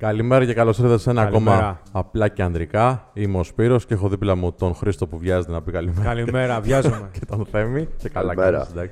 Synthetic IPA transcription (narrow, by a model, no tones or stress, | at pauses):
kɐlime̞ɾɐcekɐlo̞seɾðesenɐːko̞mɐːplɐce̞ɐnd̪ɾikɐimo̞spiɾo̞sceexo̞ðiplɐmut̪o̞nxɾist̪opuvʝɐzet̪enɐpikɐlimɐlimeɾɐvɐzecet̪ɐnθe̞micekɐlɐɾɐsd̪ɐks